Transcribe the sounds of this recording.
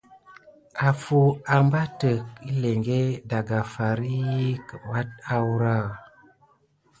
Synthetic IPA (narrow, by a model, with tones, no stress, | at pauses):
a˨fu˦a˨mba˦tə˨ki˦le˨ŋɡe˦da˨ɡa˨fa˨ɾi˦kə˨wa˦t̚a˦wɾa˦˨